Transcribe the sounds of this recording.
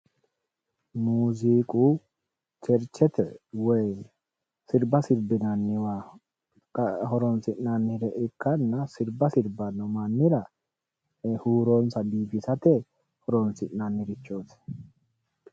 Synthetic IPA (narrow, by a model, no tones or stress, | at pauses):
muːziːkʼu | t͡ʃɛɾt͡ʃːɛt̪ɛwɔj | sɪɾbɐsɪɾbɪnɐnːɪwa | hɔɾɔnsɪnɐnːɪɾɛʔɪkːɐnːɐsɪɾbɐsɪɾbɐnɔmɐnːɪɾɐ | huːɾonsɐbiːfɪsɐt̪ɛ | hɔɾɔnsɪnɐnːɪɾɪt͡ʃːoːsɪ̥